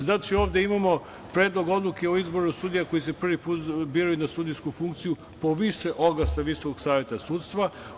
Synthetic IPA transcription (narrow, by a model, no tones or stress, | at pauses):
znaːt͡ʃio̞ːʋd̪e̞imamo̞ | pɾe̞ːd̪lˠo̞ɡo̞d̪lˠukeoizbo̞ɾosuːd̪ijakojisepr̩ʋipuːt̪biːɾajunasuːd̪ijskufuŋk̚t̪siju | po̞ʋiʃe̞ʔo̞ɡlasaʋisokoɡ̥saːʋje̞t̪asuːt̪st̪ʋa